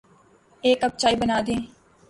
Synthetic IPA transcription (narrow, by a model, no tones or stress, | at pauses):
eːkəb̚t͡ʃaːibənaːd̪ẽː